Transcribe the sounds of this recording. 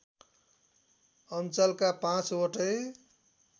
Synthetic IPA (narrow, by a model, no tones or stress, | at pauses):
ənt͡ʃəlkapãt͡ʃoʈəj